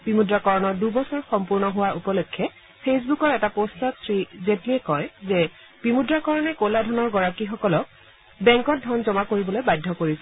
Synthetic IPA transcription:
b̥imudɹakɔɹɔnɔɹdubɔsɔɹxɔmpuɹnɔɦʊwaɹʔupɔlokʰːɛ | pʰes̬bukɔɹɛtapostɔtsɹizetliɛkɔjzɛ | b̥imudɹakɔɹɔnɛkoladʱɔnɔɹɡɔɹakixɔkɔlɔk̚ | bɛ̃ŋkɔt̚dʱɔnzɔmakoɹibɔlojbajdʱːɔkoɹisɛ

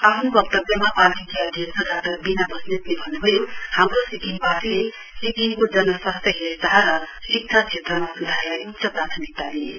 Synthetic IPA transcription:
apʰnbʌk̚t̪ʌbʌmapanʈikeʌd̪ʱjʌsʌd̪ʱat̪ʌbinabʱʌsnet̪nebʱʌnubʌjohamɾosiɡinbat̪le | sikinkod͡zʌnʌsast̪ʌɦet̪aɦaɾʌ | sik̚t͡ʃʰat͡ʃʰet̪ɾʌmasud̪ʱalakt͡ʃʰʌpɾat̪ʰənik̚t̪ali

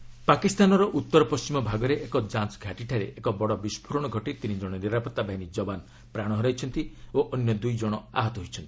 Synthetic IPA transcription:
pakist̪anɔɾɔʔut̪ːɔɾɔpɔst͡ʃimɔbʱaɡɔɾeʔekɔd͡ʒansɡʱaʈiʈʰaɾeʔekɔbɔɽɔbispʰuɾɔɽ̃ɔɡʱɔʈit̪inid͡ʒɔɽ̃ɔniɾapɔt̪ːabaɦinid͡ʒɔban | pɾaɽ̃ɔɦɔɾajt͡ʃʰɔnt̪ioʔɔnjɔd̪ujd͡ʒɔɽ̃ɔa̰ɦɔt̪ɔɦojt͡ʃʰɔnt̪ii̥

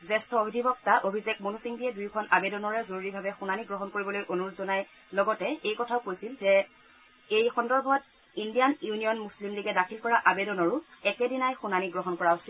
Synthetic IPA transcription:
zɛstʰɔobʱidʱibɔk̚taʔobʱizek̚monusiŋdiɛdujkʰɔnabedɔnɔɹɛzoɹuɹibʱabɛxunaniɡɹɔɦɔnkoɹibɔlojʔonuɹutzɔnaj | lɔɡɔtɛejkɔtʰaʊkojsilzɛ | ejxɔndɔɹbʱɔt̚ | indijanjunijɔnmuslimliɡɛdakʰilkɔɹaʔabedɔnɔɹʊɛkɛdinajxunaniɡɹɔɦɔnkɔɹaosil

